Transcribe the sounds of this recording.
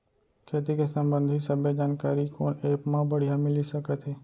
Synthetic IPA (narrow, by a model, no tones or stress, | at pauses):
kʰeːt̪ikesə̃mbə̃nd̪ʱisəbʱed͡ʒaːnkaːɾikoːneːpmãbəɽ̤ijamɪlisəkət̪ɦeː